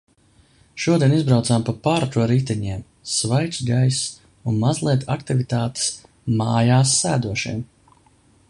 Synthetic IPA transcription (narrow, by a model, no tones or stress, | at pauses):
ʃuɔd̪ʲijɛnizbɾawt̪saːmpapaɾt̪ɾuɔɾit̪ɛɲiɛm | svajt̪sɡajs | unmazlˠiɛt̪ʰa̰kt̪ivit̪aːt̪e̥s | maːjaːsːæːd̪uɔʃḭɛm